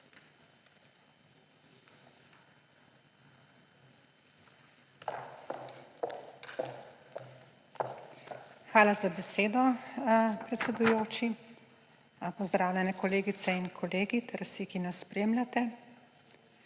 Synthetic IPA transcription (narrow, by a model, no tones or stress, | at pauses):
xʋaːlazabɛseːd̪ɔ | pɾɛt̪sɛd̪ujoːt͡ʃi | pɔzd̪ɾaːwlʲɛnɛkɔleːɡit̪sɛinkʰɔleːɡit̪ʰɛɾsikinasːpɾeːmlʲat̪ɛ